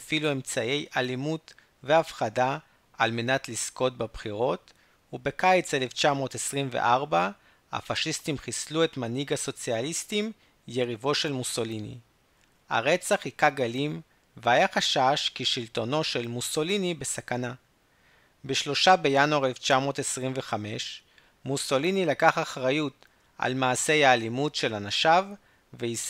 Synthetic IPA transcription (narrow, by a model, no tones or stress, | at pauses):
afilue̞mt͡sae̞jʔalimut | ve̞afχada | almenatlisko̞tbabχiʁo̞t | ube̞kajt͡seleft͡ʃamo̞ːtesʁimvḛʔaʁba | ha̰faʃistimχislue̞tmaniɡaso̞t͡sialistim | je̞ʁivo̞ʃe̞lmuso̞linḭ | a̰ʁe̞t͡saχikaɡalim | veajaχaʃaʃkiʃilto̞no̞ʃe̞lmuso̞linibe̞sakana | beʃlo̞ʃabe̞januaʁeleft͡ʃamo̞tesʁimveχame̞ʃ | muso̞linilakaχaχʁajut | ʔa̰lmaːse̞jaːlimutʃe̞lanaʃav | vei